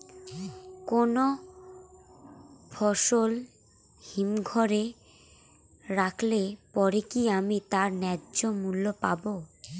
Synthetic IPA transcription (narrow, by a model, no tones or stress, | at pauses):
kono | fʰɔʃol | himɡʱɔɾe | ɾakʰlepɔɾekiamit̪aɾnɛd͡ʑomulːopa̰bo